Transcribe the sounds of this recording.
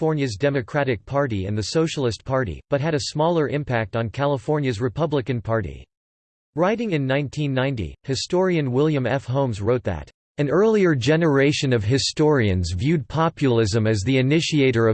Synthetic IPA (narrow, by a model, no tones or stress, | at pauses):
fɔɹnjɨzdɛmɨkʰɹ̥æɾɨk̚pʰɑɹɾiɨ̰̃nðɨsoʊʃl̩ˠɨspʰɑɹɾḭb̥ʌt̚ɦɨɾɨsmɔlˠə˞ʔɪ̃mpʰæk̚tn̩kʰælˠəfɔɹnjɨzɹɨpʰʌbləkɨ̃npʰɑɹɾḭ | ɹaɪɾɪ̃ŋɨ̃nːãɪ̃ntʰĩnːãɪ̃ntḭhɨstɔɹiɨ̃nwɪlˠjɨ̃mɛfɦõʊ̃mzɹoʊt̪̚ðɨ̰ɾ | ɨ̃nɜ˞lˠiə˞d͡ʒɛnə˞eɪʃɨ̃nʌv̥ɦɨstɔɹiɨ̰̃nzvjʉd̚pʰɑpjll̩ˠɪzɨ̃mɨzðiɨnɪʃieɪɾə˞ʌ